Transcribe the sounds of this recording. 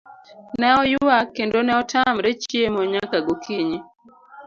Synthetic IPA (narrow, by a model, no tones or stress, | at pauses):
nɛɔjʊwakendonɛɔtʰamɾet͡ʃiemɔɲakaɡokʰiɲi